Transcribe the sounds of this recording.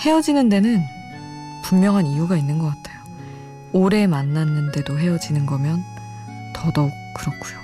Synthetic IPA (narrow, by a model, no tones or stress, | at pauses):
he̞ʌd͡ʑinɯnde̞nɯn | pummjʌŋɦanijuɡainːɯnɡʌk͈atʰe̥jo | oɾe̞manːanːɯnde̞doɦe̞ʌd͡ʑinɯnɡʌmjʌn | tʌdo | kɯɾʌkʰujo